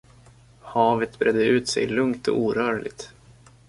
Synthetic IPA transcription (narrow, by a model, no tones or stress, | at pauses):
hɑːvət̪bɾʔɛd̪ːəʉ̟ːt̪sɛ̰jlɵŋt̪ʰɔ̰ʔuːɾœːɾɭɪɡ̚t̪